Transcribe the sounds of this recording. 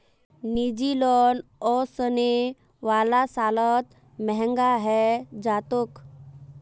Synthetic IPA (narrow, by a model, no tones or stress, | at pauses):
nid͡ʒilɔnɔsəne | ʋaːlasaːlət̪ | mɛɦɛ̃ŋɡaɦɛd͡ʒat̪ok